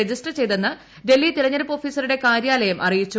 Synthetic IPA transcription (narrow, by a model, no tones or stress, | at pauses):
ed͡ʑisʈɐrt͡ɕe̞jt̪enːɨ | ɖe̞lːit̪iɾɐɲːɐɾɐpːo̞ːfiːsɐɾuɽe̞kaːɾjaːlɐjɐmʔɐ̰rijit͡ɕːu